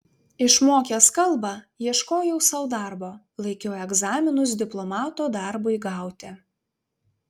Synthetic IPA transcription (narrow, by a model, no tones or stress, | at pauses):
ɪʃmoːkʲeskɐlˠbɑjiɛʃkoːjɛʊsɐʊd̪ɑˑɾboː | lˠɐɪkʲoːɛɡzɑːmʲɪnʊs̬d̪ʲɪplˠɔmɑːt̪oːd̪ɑɾbʊɪɡɑˑʊt̪ʲɪ